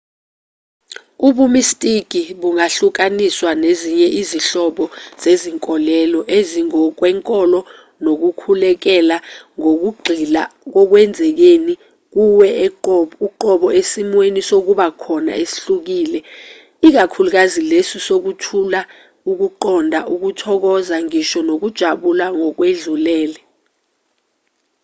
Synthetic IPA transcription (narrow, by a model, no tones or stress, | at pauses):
uɓumistʼik̬iɓuŋaɬuk̬aniswaneziɲɛʔiziɬɔɓɔz̥eziŋkʼɔlɛlɔʔeziŋɔk̬wɛŋkʼɔlɔ | nok̬ukʰulɛk̬ɛlaŋok̬uɡ͡ǃʱilak̬ɔk̬wɛnd͡zʱɛk̬eni | k̬uwɛ | uǃɔɓɔesimwenisok̬uɓakʰɔna̰esi̥ɬuk̬iːlɛ | ik̬akʰuluk̬azilesisok̬utʰula | uk̬uǃɔndʱaʔuk̬utʰɔk̬ɔzaŋiʃɔnok̬ud̥ʒ̥ʱaɓulaŋɔk̬weɮulɛːlɛ